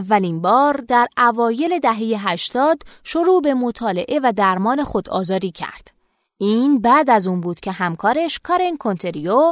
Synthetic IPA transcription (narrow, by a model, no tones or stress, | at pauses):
vːælinbɒːɾd̪æɾævɒːje̞le̞d̪æɦe̞je̞ɦæʃt̪ɒːd̪ʃo̞ɾuːbe̞mot̪ʰɒːle̞̰ʔe̞væd̪æɾmɒːne̞xo̞d̪ɒ̰ːzɒːd̪iːcʰæ̰ɾd̪̥ | ʔiːnbæːd̪æzuːnbuːd̪̥cʰe̞ɦæmkʰɒːɾeʃkʰɒɾenkʰont̪ʰe̞ɾio